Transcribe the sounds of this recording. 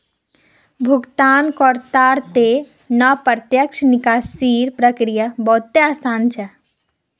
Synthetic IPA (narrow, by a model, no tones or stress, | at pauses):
bʱuɡt̪aːnkɔɾt̪aːɾt̪e | nəpəɾt̪jəkʃnikaːsiːɾpɾəkɾijabɐɦut̪ːeaːsaːnt͡ʃʰɛ